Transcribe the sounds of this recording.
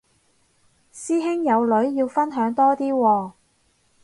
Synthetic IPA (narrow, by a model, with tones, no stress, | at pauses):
siː˥ɦɪ˥ŋjɐ˨˧wlɵ˨˥ɥjiː˧wfɐ˥nɦœː˨˥ŋt̪ɔː˥t̪iː˥wɔː˧